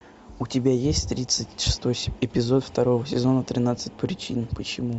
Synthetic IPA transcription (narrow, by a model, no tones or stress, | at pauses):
ʊtʲɪbʲajesʲtʲt̪ɾʲit̪sɨtʲʂɨ̥st̪oɪpʲɪzo̞t̪ft̪ɐɾo̞vəsʲɪzo̞nət̪ɾʲɪnat̪sɨt̚ʲpɾʲɪt͡ɕinpət͡ɕɪmu